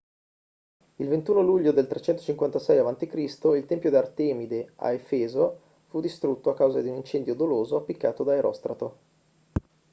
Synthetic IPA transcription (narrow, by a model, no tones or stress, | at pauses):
ilvent̪uːnoluʎːod̪elt̪ɾet͡ʃɛnt̪o̥t͡ʃiŋkwant̪asɛjavant̪ikɾist̪oilt̪ɛmpjod̪art̪ɛːmid̪eʔa̰efɛːzo | fud̪ist̪ɾut̪ːoakːawzad̪iunint͡ʃɛnd̪jod̪oloːzoapːikːaːt̪od̪aeɾʔɔ̰st̪ɾat̪o